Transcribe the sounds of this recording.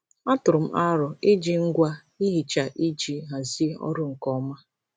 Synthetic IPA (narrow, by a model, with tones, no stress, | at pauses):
a˦tʊ˨ɾʊ˨m̩˦a˦ɾʊ˨ɪ˦d͡ʒi˦ŋ̩˦ɡʷa˦ | i˦ɦi˨t͡ʃa˨ʔi˦d͡ʒi˦ɦa˨zi˦ɔ̰˦ɾʊ˦ŋ̩˨kɔ˦ma˦